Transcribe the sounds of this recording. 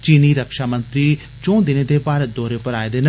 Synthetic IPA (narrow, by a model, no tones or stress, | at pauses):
t͡ʃiːniːɾəkʃaːmənt̪ɾiː | t͡ʃõːd̪ɪneːd̪eːpaːɾət̪̚d̪ɔːɾeːpəɾaːed̪eːnə